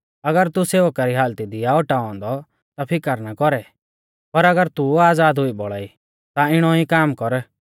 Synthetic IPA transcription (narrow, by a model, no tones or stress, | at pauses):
ɐɡəɾt̪useːʋəkaɾiɦaːlt̪id̪ɪjaɔʈaɔ̃ːnd̪ɔ | t̪apʰɪkəɾnakɔɾɛ | pɐɾɐɡəɾt̪uaːd͡zaːd̪ɦʊibɔɭaːi | t̪aɪɽ̃ɔikaːmkɔɾ